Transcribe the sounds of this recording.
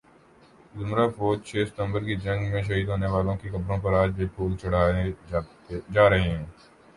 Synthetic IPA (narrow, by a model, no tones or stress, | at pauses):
zʊmɾaːpoːd͡ʒ̚t͡ʃʰeːsə̥t̪ə̃mbəɾkid͡ʒɐ̃ŋɡmẽːʃ̬ɐɦiːd̪ɦoːneʋaːlõkikɐbɾõpɐɾaːd͡ʒbepʰuːlt͡ʃʊɽaːe | d͡ʒaːɾɐɦeɦɛ̃ː